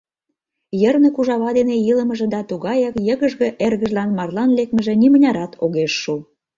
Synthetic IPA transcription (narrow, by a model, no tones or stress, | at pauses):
jərnĕkuʒɑβɑd̪enejiləmə̆ʒə̆d̪ɑt̪uɣɑjɑkjə̆ɣə̆ʒɣĕʔerɣəʒlɑnmɑrlɑnlek̚mə̆ʒĕnimənʲɑɾɑt̪ʰoɣeʃːu